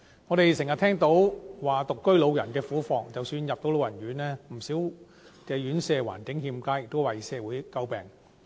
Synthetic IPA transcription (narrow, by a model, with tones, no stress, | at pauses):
ŋɔː˨˧ɾe˨jsɪ˨˩ŋjɐ˨t̪̚ʰɛː˥ŋt̪o˨˥wwaː˨˩t̪ʊ˨kːɵ˥ɥlo˨˧wjɐ˨˩nkɛː˧fuː˨˥fɔː˨ŋt͡sɐ˨wsyː˧njɐ˨p̚t̪o˨˥wlo˧wjɐ˨˩nɥyː˨˥nlɛː˥m̩˨˩siː˨˥w | kɛː˧ɥyː˨˥nsɛː˧wa̰ː˨˩nkɪ˨˥ŋhiː˧mkaː˥jɪ˨k̚t̪o˥wɐ˨˩jsɛː˧wuː˨˥jkɐ˥wpɛ̰ː˨˩ŋ